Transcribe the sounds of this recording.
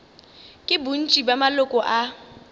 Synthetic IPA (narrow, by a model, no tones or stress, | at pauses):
kʼɪbun̩t͡ʃʼibamalʊkʼɔʔa